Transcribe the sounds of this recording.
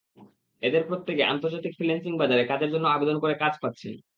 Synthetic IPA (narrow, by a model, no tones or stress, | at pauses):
ed̪eɾpɾot̪ːekeʔa̰nt̪oɾd͡ʑat̪ikfɾilensiŋbad͡ʑaɾekad͡ʑeɾd͡ʑonːoabed̪onkoɾekad͡ʑpat̪ːɕʰen